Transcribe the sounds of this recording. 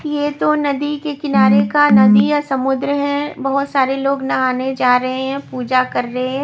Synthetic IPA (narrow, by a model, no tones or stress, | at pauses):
jet̪onɐd̪ikekɪnaːɾekanɐd̪ijasɐmʊd̪ɾəɦɛ̃bɐɦʊt̪saːɾeloːɡnɐaːned͡ʒaːɾɐɦeɦɛ̃puːd͡ʒakɐɾːɐɦeɦ